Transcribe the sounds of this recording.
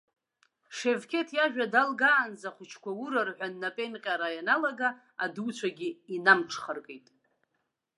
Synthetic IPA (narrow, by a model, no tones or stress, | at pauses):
ʂe̞vkʲʰe̞tʰjaʒᶣadalɡaːnd͡zaχʷʊt͡ʃʰkʷawuɾarħʷᶣanːapʼe̞nqʲʼaɾajanalaɡa | adut͡ɕʷʰaɡʲiinamʈ͡ʂʰχərkʼejtʼ